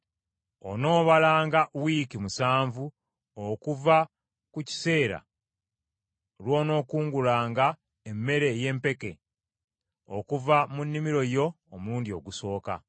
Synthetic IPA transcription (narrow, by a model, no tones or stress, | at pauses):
o̰no̞ːβalaːŋɡawiːkimusaːɱvu | okuva | kuci̥se̞ːɾa̰ | lwo̞ːno̞ːkuːŋɡulaːŋɡa | emːe̞ɾe̞je̞mpe̞ke̞ | o̞̰kuvamunːimiɾo̞jo̞ːmuːndio̞̰ɡuso̞ːka̰